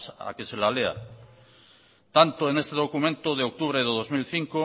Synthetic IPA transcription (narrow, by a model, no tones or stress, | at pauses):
sa̰kese̞lalea̰ | t̪ant̪oenest̪e̞ðo̞kumẽnt̪oðeok̚t̪uβ̞ɾeðeðo̞zmilθiŋko